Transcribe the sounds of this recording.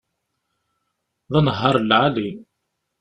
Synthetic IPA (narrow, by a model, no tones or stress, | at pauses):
ðˤɑnɦɑɾˤlʕali